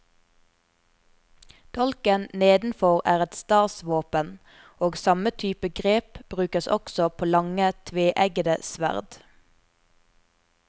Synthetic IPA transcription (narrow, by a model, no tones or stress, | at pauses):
t̪ʰɔlkənneːd̪n̩fɔʁæːʁɛt̪st̪ɑːsʋoːpən | oːɡsɑmət̪ʰyːpəɡʁeːpb̥ʁʉːkəsɔ̰ksɔpʰoːlɑŋət̪ʰʋeːʔæɡəd̪əsʋæ̰ʁd̪